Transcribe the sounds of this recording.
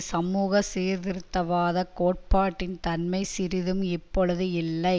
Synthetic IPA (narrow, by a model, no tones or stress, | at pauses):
sɐmuːɣɐseːɾd̪ɪɾɯt̪ːɐʋaːðɐkoːʈ̚paːʈːɪnt̪ɐnmɐɪsɪɾɪðɯmɪpːɔɻɯðɯɪlːɐɪ